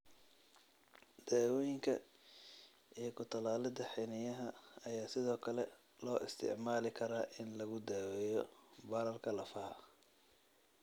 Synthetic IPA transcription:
d̪̥aːwɛjɪŋkʰɐ̰ | ikʰʊt̪ʰɐlaːlɪd̪ɐħɛnɪjɐɦɐɐjaːsɪðɔːkʰɐlɛ | lɔːʔɪst̪ʰɪ̰ʕmaːlɪkʰɐɾaːʔɪnlɐɣʊd̪aːwɛjɔbaɾɐlkʰɐlɐfɐhɐ

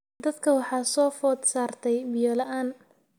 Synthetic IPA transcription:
d̪ɐd̪kʰɐwɑħɑːsɔːfɔːd̪saːrt̪ʰɛjbɪjɔlɐʔaːn

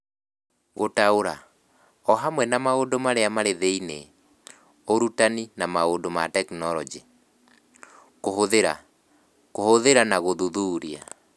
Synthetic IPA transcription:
ɣotaoɾa | ɔɦamwɛnamaodomaɾeamaɾeðeine | oɾutaninamaondomatɛknɔɾɔd͡ʒi | koɦoðeɾa | kohoðeɾanaɣoðuðuːɾia

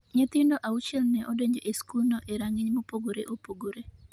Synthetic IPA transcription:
ɲɛt̪ɪndoʔaut͡ʃɛlnɛʔɔdeɲd͡ʒɔʔeskulnɔʔeɾaŋɪɲmopoɡoɾḛʔopoɡoɾe

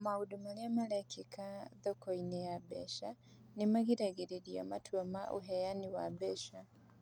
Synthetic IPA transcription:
maudumaliamalɛkikʰaðɔkɔinɛjabɛ̰ʃa | nimaɣiɾaɡiɾiɾia̰ma̰tʰuamaʔṵɦɛjaniwabɛʃa

